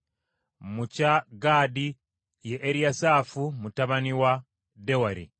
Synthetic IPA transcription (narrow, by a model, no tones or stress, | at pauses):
mucaɡaːdi | jeʔːɾiasafumutaβaniwa | dewaɾḭ